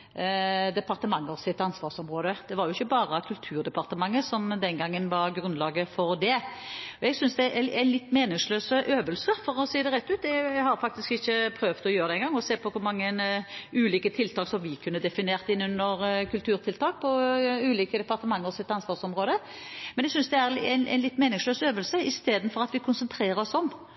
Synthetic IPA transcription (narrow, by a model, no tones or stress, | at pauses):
d̪ɛpɑʁt̪əmɑŋːəsɪt̪ːɑnsʋɑːʁsɔmʁoːd̪əd̪̥ɛʋɑɾjʊɪçːəbɑːʁəkʰʉlt̪ʰʉːɾd̪ɛpɑʁt̪əmɑŋːəsɔmd̪ɛnɡɑŋːənʋɑʁɡɾʉnlɑːɡəfɔɾd̪ɛɔɛɡsʏnsd̪ɛʔææɪnlɪt̪ːmeːnɪŋsløːsəʔøːʋəlsəɾfɔʁɔsiːd̪ɛʁɛt̪ːʉːt̪ɛɛɡhɑɾfɑk̚t̪ɪskɪçːəpʰɾøːʋt̪ɔjøːɾəd̪ɛnɡɑŋːɔseːpʰɔkʰʊɾmɑŋːənʉːliːkət̪ʰɪlt̪ʰɑːksɔmʋɪkʰʉnːəd̪ɛfɪneːʁt̪ɪnːʉnːəɾkʰʉlt̪ʰʉːɾt̪ʰɪlt̪ʰɑːk̚pʰɔʉːliːkəd̪ɛpɑɾʁt̪əmɑŋːəɔsɪt̪ːɑnsʋɑːʁsɔmʁoːd̪ə | mɛnɛɡsʏnsd̪ɛæɾ̰ɪnʔɛ̰ɪnlɪt̪ːmeːnɪŋsløːsøːʋəlsəɪst̪eːd̪n̩fɔɾɑt̪ʋɪkʰʊnsənt̪ʰɾeːɾəɾɔsɔm